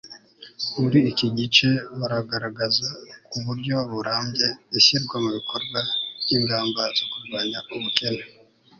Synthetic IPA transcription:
uɾiːciɟit͡ʃe̞βaɾaɡaɾaɡazakuβuɾɟo̞βuɾaːmɟe̞iɕiɾɡwamuβikʰoɾɡwav̥jiːŋɡaːmbazokuɾɡwaːɲauβuke̞na

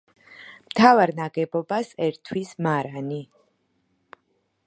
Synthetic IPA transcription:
mt̪ʰavaɾnaɡɛbɔbasɛɾt̪ʰwismaɾani

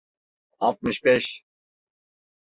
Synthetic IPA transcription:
alˠt̪̚mɨʃbɛʃ

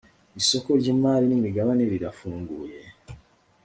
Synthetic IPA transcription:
iso̞ko̞ɾɟimaːlinimiɡaβaneɾiɾafuːŋɡuːje̞

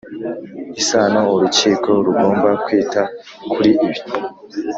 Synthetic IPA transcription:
isaːnouɾut͡ʃiːko̞ɾuɡo̞ːmbakwiːta | kuɾiʔiβi̥

